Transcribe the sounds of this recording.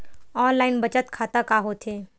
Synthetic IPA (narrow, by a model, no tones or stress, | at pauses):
ɔːnlaːɪnbɐt͡ʃət̪kʰaːt̪akaɦoːt̪ʰɦeː